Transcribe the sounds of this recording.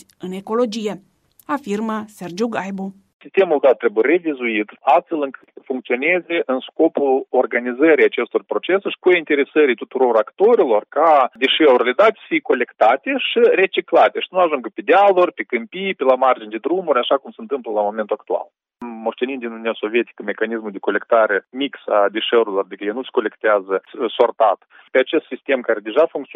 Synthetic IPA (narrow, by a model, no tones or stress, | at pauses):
ɨne̞ko̞lo̞d͡ʒije | afirməse̞rd͡ʒuɡajbu | sʲist̪e̞mulˠd̪at̪̚ːɾe̞bujeɾe̞vizuit̪ast̪fe̞lɨŋkɨ̥t̪fuŋkt̪sio̞nezʲeʔɨnsko̞pulo̞rɡanizəɾijat͡ʃe̞st̪orpɾo̞t͡ʃe̞sʃi̥koint̪e̞ɾe̞səɾijt̪ut̪uɾo̞ɾakt̪o̞ɾilo̞rkad̪eʃeurʲlʲed̪at̪ʲsə̥fijeko̞le̞kt̪at̪eʃire̞t͡ʃiklat̪ʲe̞ʃi̥nuaʒuŋɡəpʲed̪ʲealorʲpʲekɨmpijpʲelamard͡ʒind̪ed̪ɾumuɾʲaʃakumsəɨnt̪ɨmpləlamo̞me̞nt̪uakt̪ua̰l | mo̞ʂt̪e̞nind̪inunijaso̞vie̞t̪i̥kəmʲe̞kanismuld̪e̞ko̞lʲe̞kt̪aɾemiksa̰d̪eʃeuɾilo̞rd̪ikəjenusʲko̞le̞kt̪eazəso̞rt̪at̪ | peat͡ʃe̞st̪sist̪e̞mkaɾe̞d̪e̞ʒafuŋkt̪sʲ